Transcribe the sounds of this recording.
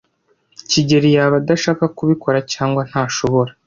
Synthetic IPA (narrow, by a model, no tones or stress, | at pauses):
ciɟe̞ɾijaβadaʃaːkakuβiko̞ɾacaːŋɡwan̥haːʃo̞βo̞ɾa